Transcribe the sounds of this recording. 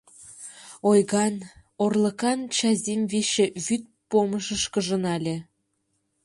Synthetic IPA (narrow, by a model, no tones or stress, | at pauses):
ojɣɑn | orlˠə̆kɑnt͡ɕɑzʲemβeʃĕβyt̪̚poməʃə̆ʃkə̆ʒə̆nɑlʲĕ